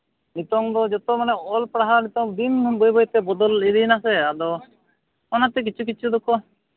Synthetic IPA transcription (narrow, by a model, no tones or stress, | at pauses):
nit̪ɔŋd̪ɔd͡ʒɔt̪ɔmanɛɔlpɾaɦaɾnit̪ɔŋd̪inbojbɔjt̪ɛbɔd̪ɔlid̪inasɛad̪ɔ | ɔnat̪ɛk̬it͡ʃʰuk̬it͡ʃʰud̪ɔkɔ